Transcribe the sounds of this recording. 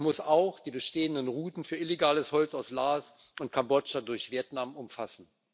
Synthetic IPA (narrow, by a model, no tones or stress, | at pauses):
mʊsaʊxd̥iːbəʃteːəndənʁuːtn̩fyːɐɪleɡaːləshɔlt͡saʊslaːs | ʔʊnt̚kʰambɔt͡ʃadʊɐçv̥iɛɐtnamʊmfasn̩